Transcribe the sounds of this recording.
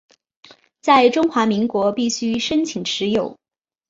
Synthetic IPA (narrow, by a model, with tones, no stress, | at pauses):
t͡sa˥˩ɪʈ͡ʂʊ˥ŋxwa˧˥mi˧˥ŋkwɔ˧˥pi˥˩ɕy˥ʂə˥nt͡ɕʰi˨˩ŋʈ͡ʂʰɻ̩˧˥jo˨˩˦ʊ